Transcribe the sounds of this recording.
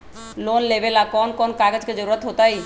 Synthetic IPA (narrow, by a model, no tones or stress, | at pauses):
lonlebelakɔnkɔnkaɡed͡ʒked͡ʒəɾuɾət̪ɦot̪aj